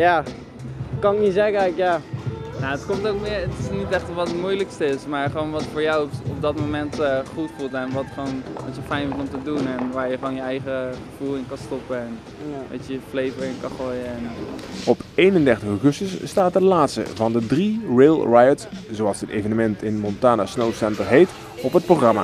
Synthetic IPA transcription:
ja | kɑnɪknizɛkəɛkjanaːətkɔmtowkmɪətɪsnitɛχtəʋɑtətmujləkstəɪsmaːɹχəʋonʋɑtfoːɹjawɔp̚dɔtmomɛntχutfulˠtɛnʋɑtχonʋɔtjəfɛjnʋɔtɔmtədunɛnʋaːɹjəχəʋoːnjəɛjχəχəv̥ulˠɪnkɑnstɔpəɛn | ʋa̰tjəəflejvəɹɪnkɑnχoːjəɛnɔpejnəndɛɹtəχoχɵstəsːtaːt̚dəlaːtstə̰vɑndədrireːlˠrajətszoɑlˠsətejvənəmɛntɪnmɔntaːnasnowsɛntəɹɦejt | ɔpɦət̚proχrɑma̰ː

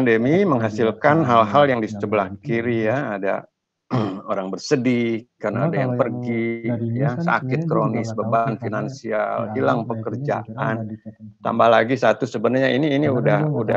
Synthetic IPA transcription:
andəmiməŋɦasɪlkanɦalɦaljaŋdisət͡ʃəbəlahkiɾijaːda̰ | oɾaŋbərsədihkarnaadajaŋpərɡijasa̰kɪt̪̚kɾonɪsbəbanfinansia̰lilaŋpəkərd͡ʒa̰ant̪a̰mbahlaɡisat̪usəbənərɲainiːniudahuda

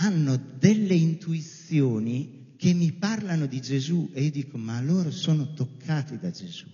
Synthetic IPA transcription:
anːod̪elːeint̪uit̪sːjɔːni | kʰemːiparlanod̪id͡ʒezueiːod̪iːkomalːoːɾosɔːnot̪okʰːaːt̪id̪ad͡ʒez̥u

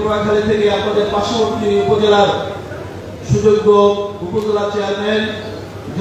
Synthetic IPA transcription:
ɾɔekʰalet̪ʰekeapnad̪eɾpaʃoboɾt̪iupod͡ʑelaɾ | ʃud͡ʑoɡːoupod͡ʑelat͡ɕeaɾmen | d͡ʑ

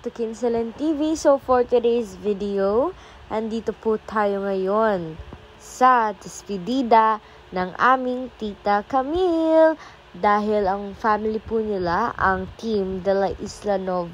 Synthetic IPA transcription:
t̪ʊkinsɛlɛnt̪iːvisofoɹt̪ɪd̪ejsvid̪ɪo | ʔɐnd̪iːt̪oput̪ʰaːjo̞ŋɐjon | sɐd̪̥ɪspɪd̪iːd̪ɐ | nɐŋʔa̰ːmɪŋt̪iːt̪ɐkɐmil | d̪aːɦɪlɐŋfaːmɪlipuːnɪlaʔɐ̰ŋt̪imd̪ɐlɐʔɪslɐnov

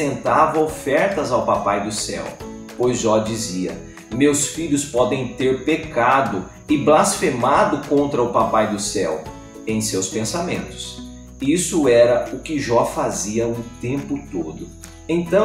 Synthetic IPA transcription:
ẽnt̪avɐofɛɾt̪ɐzawpapajd̪ʊsɛ̰w | pojzʒɔd͡ʒiziɐ̰ | mewsfiʎʊspɔd̪ẽj̃t̪eɾpekad̪ʊ | ɪblasfemad̪ʊkõnt̪ɾɐʊpapajd̪ʊsɛw | ẽj̃sewspẽsamḛ̃nt̪ʊ̥s | isʊɛɾɐʊkɪʒɔfaziɐũt̪ẽmpʊt̪od̪ʊ | ẽt̪ɐ̃

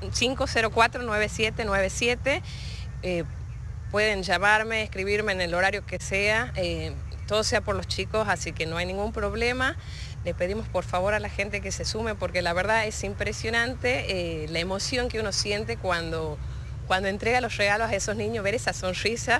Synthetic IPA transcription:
siŋko̞seɾo̞kwat̪ɾonwe̞β̞esjet̪enwe̞βesjet̪e | e | pwe̞ðe̞nʒamaɾmeːskɾiβiɾmeːnelo̞ɾaɾjo̞keseae | t̪oðoseapo̞ɾlo̞st͡ʃiko̞sasikeno̞ajnĩŋɡumpɾo̞β̞lema | lepe̞ðimo̞spo̞ɾfaβ̞o̞ɾalaxe̞nt̪e̞ke̞se̞sumepo̞ɾkelaβe̞ɾðaesimpɾesjo̞nãnt̪eelaemo̞sjo̞ŋkeuno̞sje̞nt̪e̞kwand̪o | kwand̪o̞e̞nt̪ɾeɣalo̞sreɣalosaesoznĩɲoβe̞ɾesaso̞nrisa

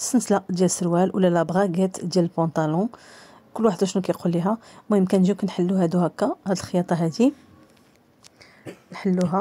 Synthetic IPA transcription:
sənslaʔd̪jælsəɾwælwə̰lːælæbʁɑɡæt̪d̪jæləlpɑ̃t̪ɑlɔ̃ | kʊlːwaħəd̪æʃnukæjqulːiɦæmæjəmkænʒikænħəlːuɦæd̪uhækːæhæd̪əlxəjɑt̪ˤɑɦæd̪i | nħəlːuɦæ

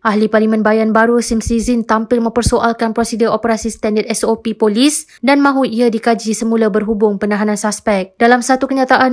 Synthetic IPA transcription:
ʔahliparlimãnbajanbaɾusimsizint̪ampɪlmə̃mpərsoʔalkanpɾosidəopəɾasist̪andərɛsopipolis | danmãɦuiadikad͡ʒisəmũlabərɦubʊŋpənãɦanãnsaspɛk̚d̥alamsat̪ukəɲãt̪aʔan

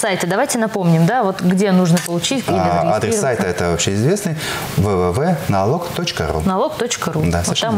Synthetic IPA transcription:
sajtʲɪd̪ɐvajtʲɪnɐpo̞mnʲɪmd̪avo̞t̪ɡdʲe̞nuʐnəpəlˠʊt͡ɕitʲkʲiɐd̪ɾʲessːajt̪əɛt̪əvɐpfɕeɪzvʲe̞snɨj | vəvɛvɛnɐlˠokt̪ot͡ɕkə̰ɾṵnɐlˠo̞kt̪o̞t͡ɕkəɾud̪ast̪ːam

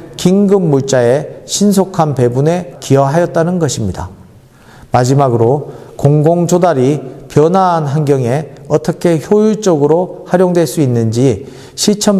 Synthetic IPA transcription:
kiŋɡɯmːuɭt͡ɕ͈ae̞ɕʰinsʰokʰanpe̞bune̞kijʌɦajʌt̚t͈anɯnɡʌɕʰimɲida̰ | mad͡ʑimaɡɯɾokoŋɡoŋd͡ʑodaɾipjʌnaːnɦanɡjʌŋe̞ʌt͈ʌkʰe̞çjojuɭt͡ɕ͈ʌɡɯɾohaɾjoŋdwe̞ɭs͈uinːɯnd͡ʑi | ɕʰit͡ɕʰʌm

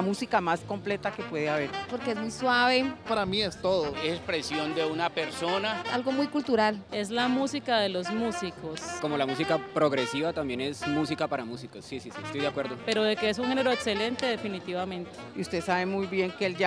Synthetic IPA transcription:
musikamasko̞mple̞t̪ake̞pwe̞ðeaβe̞ɾpo̞ɾkeezmujswaβe̞paɾamiest̪o̞ðoesekspɾe̞sjo̞nd̪e̞unape̞ɾsonaa̰lɣo̞mujkult̪uɾale̞zlamusikaðe̞lo̞zmusikosko̞mo̞lamusikapɾo̞ɣɾesiβat̪ambje̞ne̞smusikapaɾamusikosːisisḭest̪ojðeakwe̞ɾðope̞ɾo̞ðekees̬uŋxe̞neɾo̞ekse̞le̞nt̪e̞ðefinit̪iβamẽ̞nt̪eiust̪e̞saβe̞mujβje̞ŋkeeld͡ʒa

